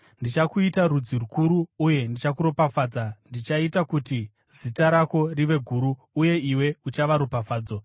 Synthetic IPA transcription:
ndit͡ʃakuitaɾud͡zirukuɾuːje̞ndit͡ʃakuɾo̞pafaːd͡zandit͡ʃaitakuti | z̥itaɾako̞riʋe̞ɡʱuɾuː | je̞iwe̞ut͡ʃaʋaɾupafaːd͡zo̞

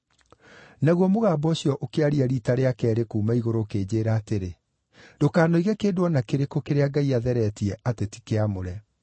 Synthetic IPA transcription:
naɣwɔmoɣaːbɔɕjɔʔokeaɾiaɾitaɾeakɛːɾekuːmaiɣoɾoːkeːd͡ʑeːɾaːteɾe | dokaːnoiɣɛkeːdwɔnakeɾekokeɾeaɡaiaðɛɾɛtiɛʔateti̥keamoɾɛ

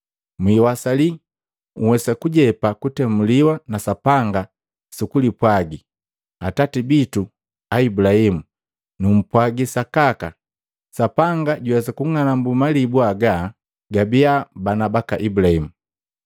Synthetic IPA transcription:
mwiwasali | ŋ̩uwɛsakuɟɛpakutɛmuliwanasapaŋɡa | sukulipwaɡi | atatibitu | aibulahimu | num̩pwaɡisakaka | sapaŋɡaɟuwɛsakuŋanambumalibuaɡa | ɡabiabanabakaʔibulahimu

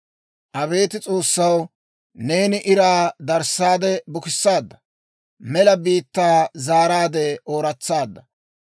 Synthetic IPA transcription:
ʔɐβe̞ːt̪ɪt͡sʼo̞ːsːɐw | ne̞ːnɪʔɪɾaːd̪ɐɾsːaːd̪ɛbʊkɪsːaːd̪ːɐ | mɛlɐbiːt̪ːaːzaːɾaːd̪ɛoːɾɐt͡sːaːd̪ːɐ

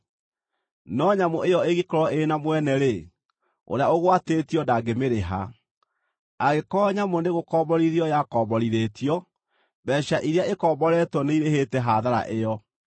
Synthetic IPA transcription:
nɔɲamoejɔeɣikɔɾɔʔenamwɛnɛɾe | o̰ɾeaoɣwateːtiɔndaɡemeɾeɦa̰ | aɣekɔːɲamoneɣokɔːbɔɾiðiɔjakɔːbɔɾiɾeːtiɔ | bɛɕaʔiɾeaekɔːbɔɾɛtwɔneiɾehetɛɦaðaɾa̰ʔejɔ

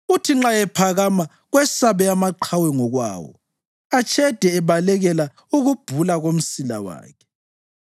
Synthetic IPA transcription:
utʰiŋ͡ǁajɛpʰaɣama | ɣwɛsaβɛamaǃʰawɛŋɔɣwa̰ːwɔ̰ | at͡ʃʰʼɛd̥ʱɛːβalɛɣɛla | uɣub̥ʱulaɣom̩sila̰wa̰ːkʰɛ̥

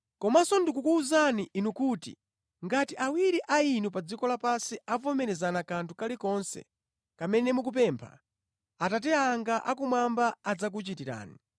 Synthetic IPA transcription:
kɔmasɔndikukuːzaniʔinukuːtḭ | ŋɡatiʔawiɾiʔainupad͡zikɔlapasiavɔmɛɾɛzanakantʰukalikɔnsɛ̰ | kamɛnɛmukup̬ɛmpʰa̰ | atat̬ɛaːŋɡaʔakumwambaːd͡zak̬ut͡ʃitiɾa̰ːni

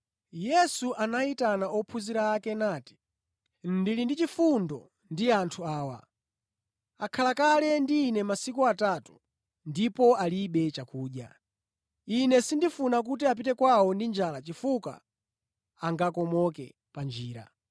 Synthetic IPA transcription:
jɛsuʔanaitanaʔɔpʰuziɾaːkɛnaːti̥ | n̩dilindit͡ʃifundɔ̰ | ndiantʰuaːwa̰ | akʰalakalɛndiːnɛmasikuatatu̥ | ndipɔaliɓɛt͡ʃakuːɗja̰ | inɛsindifunak̬utiap̬itɛkwawɔndind͡ʒalat͡ʃifuka̰ | aŋɡakɔmɔkɛ̰ | pand͡ʒiːɾa̰

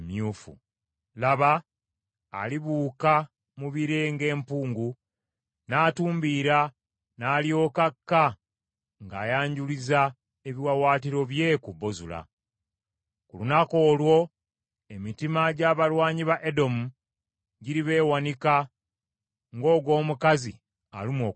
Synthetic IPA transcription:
mjuːfṵ | laβa̰ː | liβuːka | muβiɾeŋɡe̞ːmpuːŋɡu | naːtuːmbiːɾa | naːljo̞ːkakːa | ŋɡaːjaːɲɟuliza | eβiwawaːtiɾo̞βje̞kuβo̞zula̰ | kulunako̞ːlwo̞ | e̞mitimaɟaːβalwaːɲiβaʔe̞do̞mu | ɟiɾiβe̞ːwanika | ŋɡo̞ːɡwo̞ːmukazi | a̰limoː

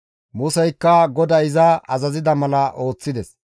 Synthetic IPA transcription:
mʊsɛjkːɐɡɔd̪ɐɪzɐɐzɐzɪd̪ɐmɐlɐʔo̞ːt͡sːɪd̪ɛs

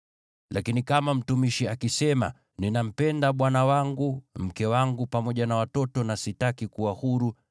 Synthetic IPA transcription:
lʔakinikamam̩tumiʃiakisɛma̰ | ninam̩pɛndaɓwanawaŋɡum̩kɛwaŋɡupamɔʄanawatɔtɔnasitakikuwahuɾu

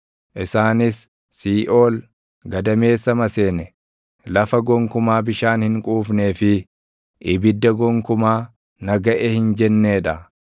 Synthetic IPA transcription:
ʔɪsaːnɪsː | iːʔoːl | ɡɐd̪ɐme̞ːsːɐmɐseːnɛ | lɐfɐɡɔŋkʊmaːbɪʃaːnhɪŋkʼuːfne̞ːfɪ | ʔɪbɪd̪ːɐɡɔŋkʊmaː | nɐɡɐʔɛhɪnd͡ʒɛnːe̞ːᶑɐ

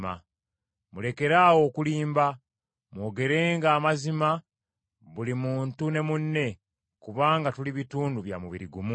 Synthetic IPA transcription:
a̰ | mule̞ke̞ɾaːwo̞ːkuliːmba | mwo̞ːɡe̞ɾe̞ːŋɡaːmazima | βulimuːntune̞munːe̞ | kuβaːŋɡatuliβituːnduβja̰muβiɾiɡumu

